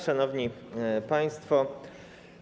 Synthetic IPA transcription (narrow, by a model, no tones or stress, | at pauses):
ʂanɔvɲipaj̃st̪fɔ